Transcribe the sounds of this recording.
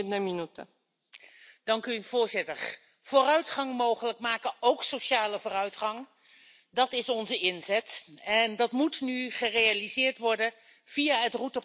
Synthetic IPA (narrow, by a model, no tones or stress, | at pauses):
naminutə̰ | d̥ɑŋkyv̥ʊːɹzɪtəɹ | v̥oːrœɥtχɑŋmowχələkmaːkəowksowʃaːləvoːrœɥtχɑŋ | dɑtɪsɔnzəɪnzɛtɛndɑtmutnyχərejalizɪːɹtʋɔɹdə | v̥iaːɦətrutə